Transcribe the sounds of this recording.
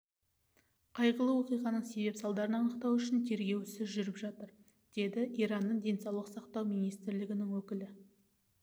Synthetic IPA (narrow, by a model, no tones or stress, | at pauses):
qʰɑjʁəlˠəwoqijʁɑnəɴse̞be̞psɑlˠd̪ɑɾənɑnəqt̪ɑwʏʃɪnt̪ʰe̞ɾɡʲe̞wsɪzʒʏɾɪpʒɑt̪əɾ | d̪̥e̞d̪ɪʔijɾɑnːəɴd̪e̞nsɑwlˠəqsɑqt̪ɑwmijnijst̪ɾlɪɡʲɪnɪŋwɵkʲɪlɪ